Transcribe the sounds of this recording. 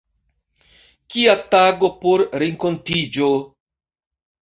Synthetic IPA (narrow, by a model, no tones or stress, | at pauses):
kiataɡo̞poɾɾeŋkontid͡ʒo